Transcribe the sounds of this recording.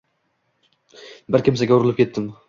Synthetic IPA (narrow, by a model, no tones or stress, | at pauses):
bɪɾkʲɪmsaɡʲaʊɾɪlˠɪpkʲʰe̞t̪ːɪm